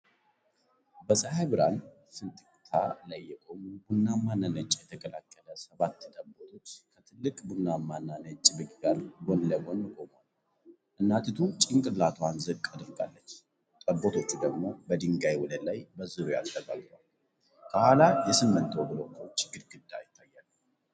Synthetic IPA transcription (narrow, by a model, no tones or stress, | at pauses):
bəsəɦajβɨɾa̰n | sɨnt̪ʼɨkʼt̪ʰa̰lajːɛkʼo̞mubunːamːanːanət͡ʃʼjɛt̪ʰəkʰʼəla̰kʰʼːələsəβat̪ːd̪ʼəbot̪ʰo̞t͡ʃːkʰət̪ʰɨlːɨkʼbunːamːanːanət͡ʃʼbɨkʼɡaɾɡo̞nləɡo̞nːɨkʼomal | ʔɨnːat̪ɨt̪ʰut͡ʃʼɪŋkʼɨlːat̪ʰoanzɨkʼːad̪ɨɾɡa̰lːət͡ʃː | t̪ʼəbot̪ʰo̞t͡ʃːud̪əɡmo̞bəd̪ɨŋɡajwɔləd̪lajbəzɨɾuja̰lt̪ʰəɡa̰ɡt̪wal | kʰəhalajɛsɨmːɨnt̪wobɨlokʰəwt͡ʃːɪɡɨɾɡɨd̪ːa̰jɪt̪ʰːajːalː